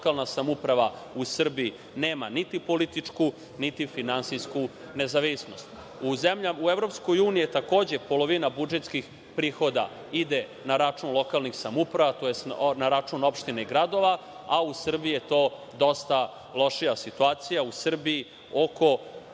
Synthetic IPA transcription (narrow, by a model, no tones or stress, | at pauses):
kalˠnasamupɾaʋausr̩biː | neːmanit̪ipo̞lit̪it͡ʂku | nit̪ifinansijsku | ne̞zaʋisno̞st̪ | uzemʎauevɾo̞psko̞juːnijet̪ako̞ːd͡ʑepo̞lo̞ʋinabud͡ʒet̪skix | pɾiːxo̞d̪a̰ | id̪e | naɾat͡ʂuːnlo̞kalˠnixsamupɾaʋat̪ojesnaɾat͡ʂuːno̞pʃt̪ineiɡɾad̪o̞ʋa | ausr̩biijet̪o̞ː | d̪o̞st̪a | lo̞ʃijasit̪uaːt̪sijausr̩bii | oko